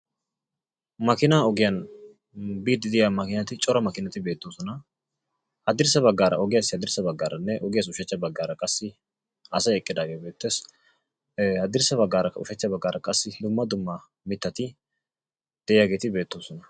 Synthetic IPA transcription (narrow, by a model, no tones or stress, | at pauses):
mɐkɪnaːɔɡɪjɐn | biːd̪ːɪd̪ɪjamɐkɪnɐt̪ɪt͡ʃʼɔɾɐmɐkɪnɐt̪ɪbeːt̪ːoːsɔnɐ | hɐd̪ɪɾsɐbɐɡːaːɾɐ̰ʔɔɡɪjashɐd̪ɪɾsɐbɐɡːaːɾʔɐnːɛʔɔɡɪjaːs̬ʊʃɐt͡ʃːɐbɐɡːaːɾɐkʼɐsːɪ | ɐsɐɛkʼːɪd̪aːɡeːbeːt̪ːe̞ːs | hɐd̪ɪɾsɐbɐɡːaːɾɐʊʃɐt͡ʃːɐbɐɡːaːɾʔɐkʼɐsːɪd̪ʊmːɐd̪ʊmːɐ | mɪt̪ːɐt̪ɪ | d̪̥ɛʔɪjaːɡe̞ːt̪ɪbe̞ːt̪ːoːsɔnɐ